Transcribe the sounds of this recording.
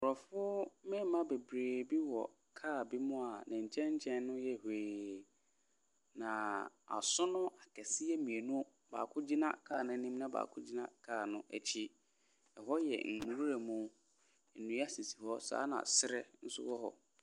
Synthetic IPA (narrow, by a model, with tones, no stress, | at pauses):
ʊ˨ɾɔ˨fʊ˦mɪ̃˦m˨mã˦be˨bɾeː˨bi˦wɔ̰˨ | kʰaː˦˨bi˦mʊ̃˦a˨nã˨ɲ̩˨t͡ɕʰɛ̃˦ɲ˦t͡ɕʰɛ̃˦nː˦ʊ̃˦jɛ˦˨he˨ | nã˨a̰˨sʊ˦nʊ̃˦a˨kʰɛ˨sɪ˦ɛ˦mĩ˨e˨nũ˦ | ba̰ː˨kʰʊ̃˦d͡ʑi˦nã̰˦kʰaː˦˨nʊ̃˦nĩ˦mnã˦ba̰ː˨kʰʊ˦d͡ʑi˦nã̰˦kʰaː˦˨nʊ̃˦ɛ̰˨t͡ɕʰi˦ | ɛ˨hɔ˦jɛ̰˨ŋ̩˨hu˨ɾu˦ɾa˨mũ˨ | n̩˨nũ˨˦a˦si˨si̥˨hɔ˦sa̰ː˨˦nã̰˨sɪ˦ɾɛ˦n̩˦sʊ̰˦wɔ˦ɦɔ̰˨